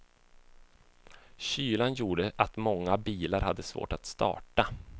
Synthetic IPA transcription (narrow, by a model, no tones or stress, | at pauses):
ɕyːlanjuːɖəʔat̪mɔŋːabiːlaɾhad̪ːəsvo̰ːʈat̪st̪ɑ̰ːʈa